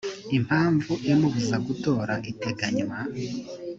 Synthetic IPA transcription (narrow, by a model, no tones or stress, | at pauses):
im̥haːɱvuemuβuzaɡuto̞ːɾaʔite̞ɡaɲwa